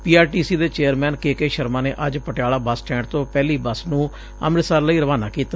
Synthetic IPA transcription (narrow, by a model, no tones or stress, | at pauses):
piːaːɾʈiːsiːd̪eːt͡ʃeːəɾmɛːnkeːkeːʃəɾmãːneːʔəd͡ʒpəʈjaːlaːbəsʈɛ̃ːɳɖ̚t̪õːpɛːliːbəsnũː | ə̰mɾɪsaːɾləiːɾəʋaːnaːkiːt̪a